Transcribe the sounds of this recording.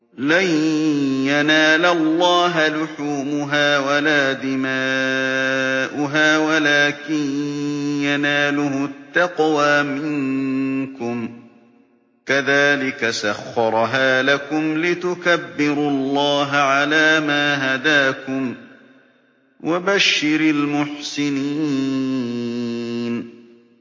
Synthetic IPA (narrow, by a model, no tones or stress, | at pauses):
lajjanaːlalːɑːɦalʊħuːmʊɦaːwalaːd̪ɪma | ʔʊɦaːwalaːkɪnjanaːlʊhʊt̪ːɑqwaːmɪŋkʊm | kaðaːlɪkasaxːɑɾˤɦaːlakʊmlɪt̪ʊkabːɪɾʊɑlˤːɑːɦaʕalaːmaːɦad̪aːkʊm | wʔabaʃːɪɾalmʊħsɪniː | n